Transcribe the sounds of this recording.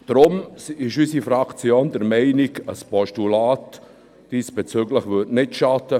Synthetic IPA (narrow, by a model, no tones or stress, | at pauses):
d̥ɾʊmsɪʃysifɾakt͡sjoːndɛɾmɛɪnɪɡəspɔʃtulaːtː | d̥iːsb̥ɛt͡syɡləχʋøtnɪtʃatə